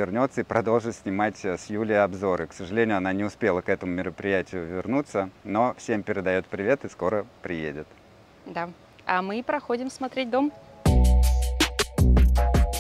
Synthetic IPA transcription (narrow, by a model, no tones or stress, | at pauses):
ɪrnʲo̞t̪səipɾɐd̪o̞lˠʐɨt̪sʲnʲɪmatʲsjulʲɪəɐbzo̞ɾɨksəʐɨlʲenʲɪjʊɐnanʲɪʊspʲe̞lˠəkɛt̪əmʊmʲɪɾəpɾʲɪjætʲɪjʊvʲɪrnut̪sːəno̞fsʲe̞mpʲɪɾʲɪd̪ɐjo̞t̪pɾʲɪvʲe̞t̪ɨsko̞ɾəpɾʲɪjḛdʲɪt̪ | d̪a | amɨpɾɐxodʲɪmsmɐt̪ɾʲet̚ʲd̪o̞m